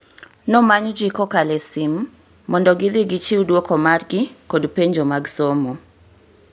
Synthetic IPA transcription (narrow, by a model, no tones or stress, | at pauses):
nɔmaɲd͡ʒikɔkalɛsimː | ɔndɔɡɪðɪɡɪt͡ʃiudwokɔmarɡɪkodpeɲd͡ʒomaɡsomo